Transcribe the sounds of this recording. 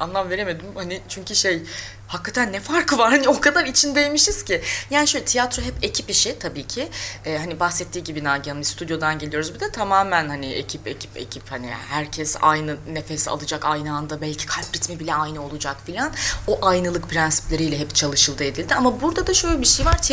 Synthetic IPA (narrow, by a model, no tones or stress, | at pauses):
anlˠamve̞ɾeme̞d̪imhanɪt͡ʃʰyɲcyʃej | hakːat̪ʰænːɛfaɾkɯvaɾhaniokʰad̪aɾit͡ʃʰind̪ejmiʃiz̥cʰijaːniʃølʲɛt̪ijat̪ɾo̞ɦɛpe̞cʰipiʃɪt̪ʰabiːcʰɪɛːɦanibaxsɛt̪ʰːiːɟibinaɟanmist̪ʰud̪jo̞d̪anɟe̞lijo̞ɾuzbid̪ɛt̪ʰamaːmænhanɪʔḛcʰipe̞̰cʰipḛcʰiphanḭhæɾcʰɛsa̰jnɯne̞fesa̰lˠɯd͡ʒakajnɯand̪abælʲcʰi̥kʰalʲpɾit̪mibilʲɛajnɯo̞lˠud͡ʒakfilʲanoʔajnɯlˠɯk̚pʰɾænsi̥plʲe̞ɾijlʲɛɦɛpt͡ʃʰalˠɯʃɯlˠd̪ɯe̞d̪ilʲd̪ɪamabuɾd̪ad̪aʃø̞jlʲɛbiʃejvaɾ̥t̪ʰ